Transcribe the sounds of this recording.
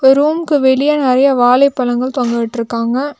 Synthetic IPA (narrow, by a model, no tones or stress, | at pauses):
ɔɾuːmkɯʋɛlɪjɐnɪɾɐjɐʋaːlɐɪpːɐlɐŋɡɐɭt̪ɔŋɡɐʋɪʈːɪɾɯkːaːŋɡɐ